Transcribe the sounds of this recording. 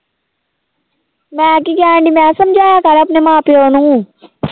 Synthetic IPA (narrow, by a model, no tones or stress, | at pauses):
mɛ̃kiɡãːɳɖimɛ̃ːsɐmd͡ʒʱaːjakɐɾɐpnemãːpeɦoːnũũ